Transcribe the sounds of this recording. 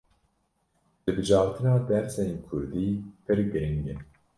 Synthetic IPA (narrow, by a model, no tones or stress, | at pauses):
d̪̥ɨbɨd͡ʒɑːɾt̪ʰɨnɑːd̪ɛɾsɛnkʰʊɾd̪iːpʰɨɾɡɨɾiŋɡɛ